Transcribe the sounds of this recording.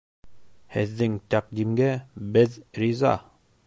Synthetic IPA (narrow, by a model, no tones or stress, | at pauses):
hɘ̰̆ðːɘŋt̪æqd̪imɡɘbɘðɾizɑ̰